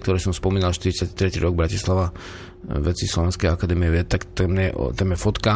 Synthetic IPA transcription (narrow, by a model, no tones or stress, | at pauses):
kt̪ɔɾɛsɔmspɔmiːnalʃt̪iɾit͡sjati̥t̪ɾɛcḭɾɔɡ̚bɾacislaʋa | ʋɛt͡sislɔʋɛnskɛjakad̪ɛmiɛʋɛt̪akt̪ɛmɲɛʔt̪ɛmɛfɔt̪ka